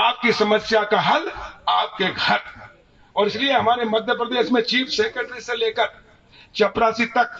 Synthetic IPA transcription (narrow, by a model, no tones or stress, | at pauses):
aːp̚kisɐməsjakaɦɐlaːp̚keɡʱɐɾ | ɔːɾɪslieɦɐmaːɾemɐd̪ʱjəpɾəd̪eːʃmẽt͡ʃiːpʰsẽːkəʈɾiseleːkəɾ | t͡ʃɐpɾaːsit̪ɐk̚